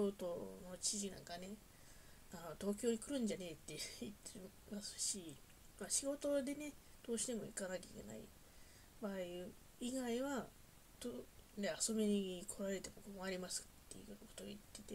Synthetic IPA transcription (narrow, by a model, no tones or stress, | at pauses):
o̞ːt̪o̞no̞t͡ɕiʑinã̰ŋkane̞ | anot̪o̞ːk̬ʲo̞ːɲ̟ikɯ̟ɾɯ̟̃ɲ̟d͡ʑane̞t̪ːe̞jɯit̪ːe | masɨ̥ɕi | maɕiɡo̞t̪o̞d̪e̞ne̞d̪̥o̞ːɕi̥t̪e̞mo̞ḭkanakʲaḭkʲe̞̰na̰ḭ | baːiɯ | iɡaiβa | t̪one̞aso̞meɲikʰo̞ɾaɾe̞t̪e̞mokɯmoaɾʲimasɨ̥t̪ːe̞̰jɯɯkot̪o̞ɡa̰it̪ːe̞t̪e̞